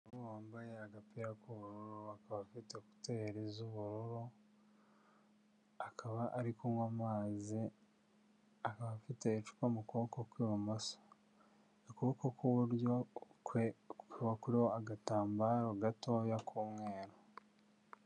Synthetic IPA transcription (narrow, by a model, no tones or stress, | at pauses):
ouwaːmbajeaɡapiɾakuβuɾuɾoakaβafiteku̥teɾezuβuɾuɾo | akʰaβaʔːɾikomwamaːzi | akaβafitet͡ʃu̥kwamukuβokokwiːumasḁ | okuβkokuβuɾjokekiβakuɾioaɡataːmbaːɾoɡatoːjakʰumweːɾo